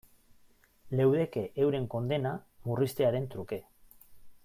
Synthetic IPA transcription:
le̞wðe̞ke̞ʔewɾe̞ŋko̞nd̪e̞na | murist̪e̞aɾe̞nt̪ɾuke̞

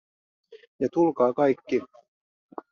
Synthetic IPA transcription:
jɑt̪ulkɑːkɑjkːi

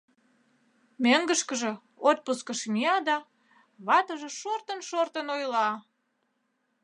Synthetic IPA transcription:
møŋɡəʃkəʒĕ | ot̪̚puskəʃmiɑd̪ɑ | βɑt̪əʒĕʃort̪ənʃort̪ənojlɑ

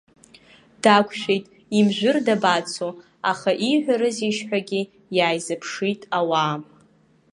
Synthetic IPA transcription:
d̥akʷʰʃʷᶣejtʼ | imʒᶣʷʊrdabat͡sʰo | aχaʔiħʷᶣaɾɨziʃħʷᶣaɡʲi | jaːjzɨpʰʂitʼawaːm

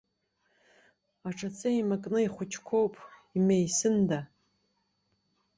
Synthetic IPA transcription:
aʈ͡ʂʰat͡sʼɨimakʼnɨiχʷʊt͡ʃʰkʷʰo̞wpʼimejsɨnda

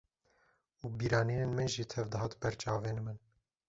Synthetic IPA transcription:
ubiɾɑːninenmɛnʒit̪ʰɛvd̪əɦɑːt̪bɛɾt͡ʃʼɑːvenəmən

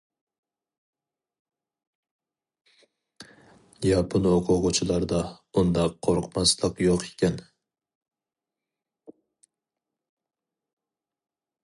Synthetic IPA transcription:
jɑpʰɨnoqʰʊʁʊt͡ʃʰɪlˠɑɾd̪ɑund̪ɑqʰːoɾqmɑslˠɨqjoqʰe̥kʲʰɛn

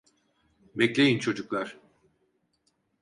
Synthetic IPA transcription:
bɛclʲe̞jint͡ʃʰo̞d͡ʒuklˠaɾ̥

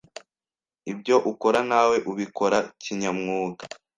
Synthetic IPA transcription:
ibɟo̞ʔuko̞ɾanaːwe̞ʔuβiko̞ɾaciɲamŋuːɡa

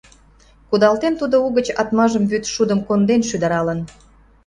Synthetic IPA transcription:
kud̪ɑlt̪ent̪ud̪ouɣət͡ɕɑt̪mɑʒəmβyt̪ʃud̪əmkond̪enʃyd̪ə̆ɾɑlə̆n

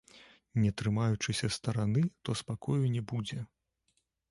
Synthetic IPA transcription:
nʲɛt̪ɾɨmajut͡ʂɨsʲɐst̪ɐɾanɨt̪ɔspakɔjunʲɛbud͡zʲɛ

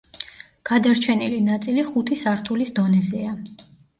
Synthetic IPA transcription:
ɡ̥ad̪aɾt͡ʃʰɛnilinat̪sʼiliχut̪ʰisaɾt̪ʰulisd̪ɔnɛzɛa

